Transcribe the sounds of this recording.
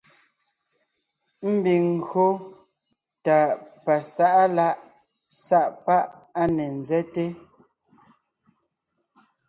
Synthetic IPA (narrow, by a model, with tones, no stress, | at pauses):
m̩˦bi˨ŋ̩˨ɡo˦ | ta˨pa˨sa˦ʔa˦la˦ʔ | sa˦ʔpa˦ʔa˦nɛ˨n˨zɛ˦te˦